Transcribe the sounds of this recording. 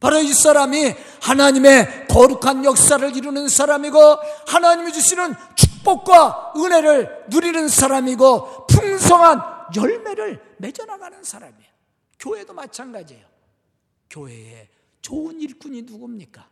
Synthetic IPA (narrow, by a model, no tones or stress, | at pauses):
paɾois͈aɾami | hanaɲime̞kʌɾukʰanjʌk̚s͈aɾɯɭiɾunɯnsʰaɾamiɡohanaɲimid͡ʑuɕʰinɯn | t͡ɕʰuk̚p͈ok̚k͈waɯne̞ɾɯɭnuɾinɯnsʰaɾamiɡopʰuŋsʰʌŋɦanjʌɭme̞ɾɯɭ | me̞d͡ʑʌnaɡanɯnsʰaɾa̰mijo | kjoɦe̞domat͡ɕʰanɡad͡ʑijo | kjoɦe̞̰ḛ | t͡ɕoɯniɭk͈uɲinuɡomɲik͈ḁ